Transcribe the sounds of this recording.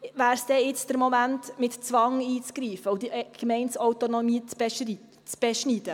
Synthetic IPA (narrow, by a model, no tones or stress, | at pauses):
væːɾsd̥ɛɪt͡sd̥əɾmomæntmɪtt͡sʋɑŋiːt͡skɾiːfəʊd̪iɡ̥mɛɪnsɔwt̪onomiːt͡sb̥ɛʃi | t͡sb̥ɛʃnid̥̪ə